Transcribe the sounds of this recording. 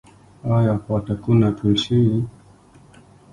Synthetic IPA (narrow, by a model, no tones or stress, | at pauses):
ajakatakunatuʃii